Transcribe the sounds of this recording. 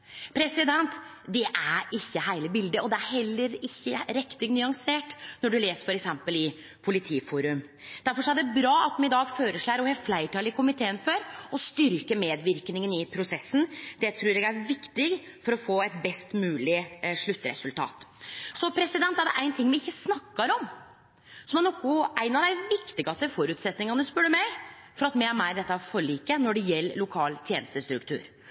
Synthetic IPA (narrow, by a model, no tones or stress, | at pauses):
pʰɾɛsɪd̪ɛnt̪ | d̪ɛʔæɾɪçːəɦæɪləbɪld̪əʔɔd̪ɛæɾɦɛlːəɾɪçːəɾɛkt̪ɪɡnʏɑŋseːʈnɔɖʉleːsəɾfɔɾɛksɛmpəlɪ | pʰʊlɪt̪ʰiːfuːɾʉm | d̪̥æɾfɔʂɔæɖɛbɾɑːɑt̪mɛɪd̪ɑːɡføːɾəʂɭæːɾɔhɛflæɪʈʰɑːlɪkʰʊmɪt̪ʰeːənføːɾɔst̪ʏɾkəmeːd̪ʋɪɾknɪŋənɪpʰɾʊsɛsːn̩d̪ɛt̪ʰɾʉːɾɛɡæɾʋɪkt̪ɪɡ | fɔɾɔfoːɛt̪̚bɛst̪mʉːlɪʂɭʉt̪ːəɾɛ̰sʉlt̪ʰɑ̰ːt̪sɔpʰɾɛsɪd̪ɛnt̪ːæɖɛ̰ʔæɪnt̪ʰɪŋːʋɪɪçːəsnɑkːɑɾɔm | sɔmɛnɔkːʊʔæɪnɑʋd̪æɪʋɪkt̪ɪɡɑst̪əfɔɾʉt̪sɛt̪nɪŋɑnəspʉɽəmɛɪfɔɾɑt̪mɪæmæd̪ɛt̪ːɑfɔɭiːkənɔɖɛjɛlːlʊkʰɑːlt̪ʰjeːnəst̪əst̪ɾʉkt̪ʰʉ̰ːɾ